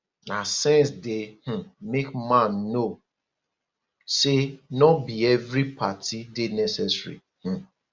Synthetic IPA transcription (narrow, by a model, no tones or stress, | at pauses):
nasɛ̃nsdɪh̩mekmãnːo | senɔbiɛvɾipatidɪnɛsɛsɹḭ | h̩